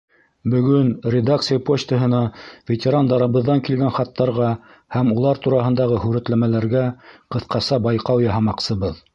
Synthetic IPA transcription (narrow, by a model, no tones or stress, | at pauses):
bɵ̆ɡɵnrʲɪd̪akt̪sɨjəpot͡ɕt̪ə̆ɦɤ̆nɑvʲet̪ʲeɾand̪ɑɾɤ̆βɤ̆ðːɑŋkilɡænχɑt̪ːɑɾʁɑ | hæmulˠɑɾt̪uɾɑɦɤ̆nd̪ɑʁɤɦʉɾæt̪læmælæɾɡæqɤ̆θqɑsɑbɑjqɑwjɑɦɑmɑqsɤ̆βɤð